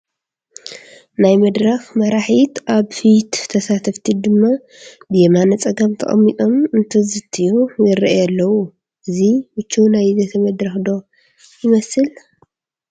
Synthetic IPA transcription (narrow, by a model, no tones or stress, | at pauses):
najmɐd̪ɾɐxmɐɾaħit̪ʔaβfit̪ʰːɐsat̪ʰɐft̪ʰid̪ɨmːa | bɨjemanɐt͡sʼɐɡɐmt̪ʰɐ̰χʼɐ̰mːit̪ʼo̞mɨnt̪ʰɐzɨt̪ʰːijujɪɾʔjalːɐwu | ʔɨzimɨt͡ʃːunajzɐt̪ʰɐmɐd̪ɾɐxd̪o̞ | jɪmɐsɨl